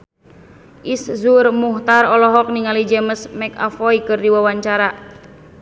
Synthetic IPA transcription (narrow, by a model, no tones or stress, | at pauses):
ʔiszurmuht̪arɔlɔɦɔk̚niŋalid͡ʒɛməsmɛka̰fɔikɨrdiwawaɲt͡ʃaɾa